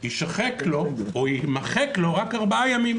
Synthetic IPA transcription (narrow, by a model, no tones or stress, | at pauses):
hiʃaχeklo̞oimaχeklo̞ʁakaʁbajamim